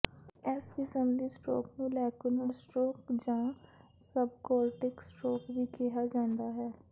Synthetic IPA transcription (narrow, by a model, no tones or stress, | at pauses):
ɛːskɪsəmlisʈo̰ːkmulɛːkʊnəɾsʈoːkd͡ʒãːsəbkɔːlʈɪksʈoːkbʱikɛɦad͡ʒãːnd̪aɦɛː